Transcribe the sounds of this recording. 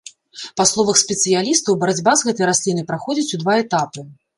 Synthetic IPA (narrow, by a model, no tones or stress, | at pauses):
paslˠɔvɐxspʲɛt̪sɨjalʲist̪ɐwbɐɾad͡zʲbazɣɛt̪ɐjɾasʲlʲinɨjpɾaxɔd͡zʲit͡sʲud̪vaɛt̪apɨ